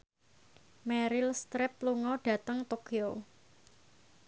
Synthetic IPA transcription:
mɛɾɪlst̪ɾɪp̚luŋɔɖ̥ä̤t̪əŋt̪okio

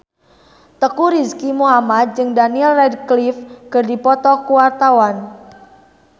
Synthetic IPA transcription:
t̪əkuɾiskimuɦamat̪̚d͡ʒɨŋdaniɛlrɛdklifkɨrdipɔt̪ɔkuwart̪awan

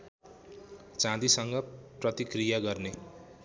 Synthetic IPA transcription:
t͡sãd̪isʌŋɡʌprʌt̪ikrijaɡʌrne

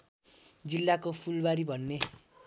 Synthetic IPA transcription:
d͡zilːakopʰulbaɾibʱʌnːe

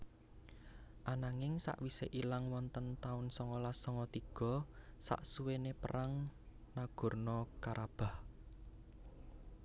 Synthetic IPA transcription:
ʔanaŋɪŋsa̰ʔwiseʔilaŋwɔnt̪ənt̪aʊnsɔŋɔlasɔŋɔt̪iɡ̥ɔ̤sa̰ʔsuwenepəɾaŋ | naɡ̥ɔ̤rnɔkaɾʔab̥a̤h

